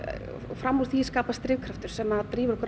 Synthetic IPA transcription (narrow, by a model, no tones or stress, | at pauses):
ɔ̰ɣfɾamːuθviskaːpast̪ɾɪːvkʰɾaft̪ʏɾ̥sɛmaðt̪ɾiːvʏɾɔhkʏɾ